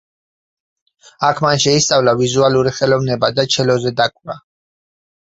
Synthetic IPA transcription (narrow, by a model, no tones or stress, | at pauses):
akʰmanʃɛist̪sʼavlavizualuɾiχɛlɔvnɛbad̪at͡ʃʰɛlɔzɛd̪akʼɾa